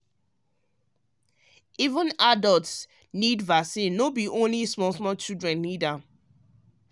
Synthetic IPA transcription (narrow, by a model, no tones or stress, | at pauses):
ivə̃nadɔlts | nidvasĩnːobiʔõnlismɔ̃nsmɔt͡ʃidɹɛ̃nːidãm